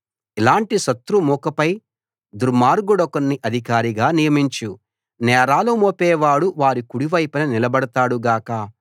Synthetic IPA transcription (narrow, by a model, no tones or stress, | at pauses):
ilaːɳʈiʃɐt̪ɾumuːkɐpɐj | d̪uɾmaːɾɡuɽɐkonːiʔɐd̪ʱikaːɾiɡaːnijɐmiɲt͡ʃu | nɛːɾaːlumoːpɛːʋaːɽuʋaːɾikuɽiʋɐjpɐnɐnilɐbɐɽɐt̪aːɽuɡaːkɐ